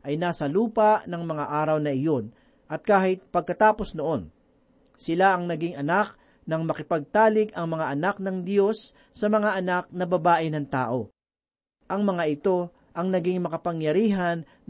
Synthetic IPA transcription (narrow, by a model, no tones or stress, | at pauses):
ʔɐjnaːsɐluːpɐʔnɐŋmɐŋaʔaːɾɐwnɐʔɪjo̞n | ʔɐt̪̚kaːhɪt̪̚pɐɡ̚kɐt̪aːpo̞snoʔo̞n | sɪlaʔɐŋnɐɡɪŋɐnak̚ | nɐŋmɐkɪpɐɡ̚t̪aːlɪɡʔɐŋmɐŋaʔɐnak̚nɐŋd̪jo̞sː | ɐmɐŋaʔɐnak̚nɐbɐbaːʔɪnɐŋt̪a̰ːʔo̞ | ʔɐŋmɐŋaʔɪt̪o̞ | ʔɐŋnɐɡɪŋmɐkɐpɐŋjɐɾiːɦɐn